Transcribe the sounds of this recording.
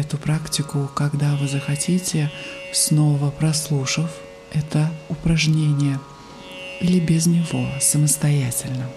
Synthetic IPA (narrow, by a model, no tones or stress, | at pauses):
ɛt̪ʊpɾaktʲɪkʊkɐɡd̪avɨzəxɐtʲitʲɪsno̞vəpɾɐslˠuʂəf | ɛt̪əʊpɾɐʐnʲenʲɪjə | ilʲɪbʲɪznʲɪvo̞səməst̪ɐjætʲɪlʲnə